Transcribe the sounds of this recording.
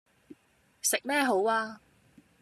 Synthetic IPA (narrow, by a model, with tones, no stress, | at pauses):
sɪ˨k̚mɛː˥ɦo˨˥waː˧